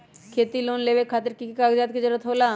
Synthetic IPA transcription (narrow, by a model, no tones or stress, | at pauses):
kʰeːt̪iloːnleːʋekʰaːt̪əɾkikikaːɡd͡ʒaːt̪̚ked͡ʒəɾət̪ɦoːlaː